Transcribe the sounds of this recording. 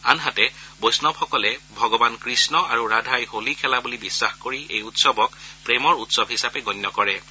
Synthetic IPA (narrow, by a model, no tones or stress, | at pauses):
anɦatɛbojsnɔbxɔkɔlɛbʱɔɡɔbankɹisnɔaɹuɹadʱajholikʰɛlabulibisːaxkoɹiʔejutsɔbɔk̚pɹemɔɹutsɔbɦisapɛɡɔnːɔkɔɹɛ